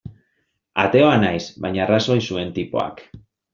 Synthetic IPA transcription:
a̰t̪e̞o̞anajsβajɲaraso̞jsue̞nt̪ipo̞̰a̰k

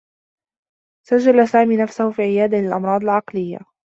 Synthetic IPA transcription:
sad͡ʒːalasaːmiːnafsahʊfiːʕɪjaːd̪alɪlʔɑmɾˤɑːd̪ˤɪlʕɑqlɪjːa̰

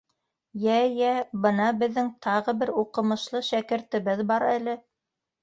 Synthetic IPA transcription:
jæjæbɤ̆nɑbɘ̆ðːɘŋt̪ʰɑʁɤ̆bɘɾuqɤ̆mɤ̆ʃlˠɤʃækɘ̆ɾt̪ɘ̆βɘðbɑɾælɘ

